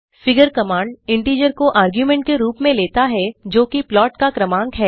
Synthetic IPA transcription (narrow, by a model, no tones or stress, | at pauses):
fɪɡəɾkɐmaːɳɖɪ̃ɳʈiːd͡ʒəɾkoʔaːɾɡjumɛ̃ɳʈ̚keɾuːpmẽleːt̪aɦɛd͡ʒoːkiplɔːʈkakɾɐmãːŋkɦɛː